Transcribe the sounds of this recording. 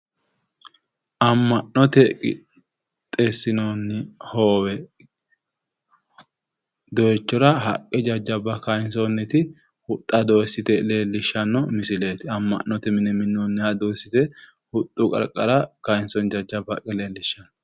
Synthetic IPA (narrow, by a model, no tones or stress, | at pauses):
ʔɐmːɐnːɔt̪ɛkʼɪ̰ | t̪ʼesːɪnonːɪhoːwɛ | d̪ɔjɛt͡ʃːɔɾɐɦɐ̰kʼːɛd͡ʒɐd͡ʒːɐbɐkɐjɪnsɔnːɛt̪ɪ | hʊt̪ʼːɐd̪osːɪt̪ɛle̞ːlːɪʃːɐnːɔmɪsɪleːt̪ɪɐmːɐ̰ʔnːɔt̪ɛmɪnɛmɪnːoːnːɛhɐd̪oːsːɪt̪ɛ | hʊt̪ʼːʊkʼɐ̰ɾkʼːɐɾɐkɐjnsɔnd͡ʒɐd͡ʒːɐbɐkʼːɛle̞ːlːɪʃːɐn